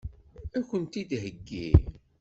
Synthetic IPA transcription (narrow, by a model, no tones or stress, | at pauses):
ækʷːənt̪id̪ɦəɡːḭ